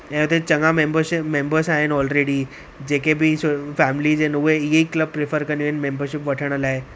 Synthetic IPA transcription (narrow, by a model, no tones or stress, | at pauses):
ɛ̃ːʊt̪et͡ɕɐŋamẽmbəɾʃɪmẽmbəɾsaːɦɪnɔːlɾeːɽi | d͡ʑeːkebʱɪsfɛːmɪlid͡ʑenuʋeiɦeikləb̚pɾɪfʰəɾkɐnioɦɪnmẽːmbəɾʃɪpʋɐʈʰəɽ̃əlaːe